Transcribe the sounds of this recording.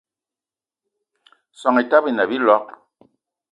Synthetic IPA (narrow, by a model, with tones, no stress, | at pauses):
sɔ˨ŋɛ˨ta˦bi˨na˨bi˦lɔ˦k̚